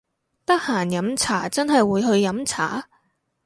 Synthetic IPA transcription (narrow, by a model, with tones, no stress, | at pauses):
t̪ɐ˥k̚haː˨˩njɐ˨˥mt͡sʰaː˨˩t͡sɐ˥nɦɐ˨jwuː˨˧jɦɵ˧ɥjɐ˨˥mt͡sʰa̰ː˨˥